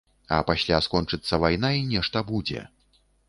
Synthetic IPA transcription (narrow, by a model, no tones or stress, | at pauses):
ɐ̰pasʲlʲaskɔnt͡ʂɨt̪sːɐvajnainʲɛʂt̪ɐbud͡zʲɛ̰